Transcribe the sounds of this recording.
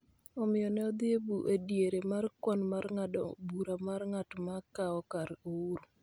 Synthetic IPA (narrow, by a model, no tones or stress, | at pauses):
ɔmɪjɔnɛɔd̪ɪebuʔedjeɾemarkwɔnmarŋabuɾamarŋatmakaɔkaɾouɾu